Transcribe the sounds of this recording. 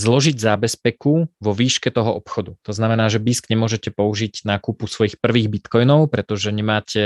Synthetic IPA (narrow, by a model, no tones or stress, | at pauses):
zlɔʒiɟzaːbɛspɛkuʋɔʋiːʃkɛt̪ɔɦɔʔɔpxɔd̪ut̪ɔznamɛnaːʒɛbiːsɡɲɛmʊɔʒɛcɛpɔuʒiɟnaːkupusʋɔjixpr̩ʋiːɣbit̪kɔjnɔʊpɾɛt̪ɔʒɛɲɛmaːcʰɛ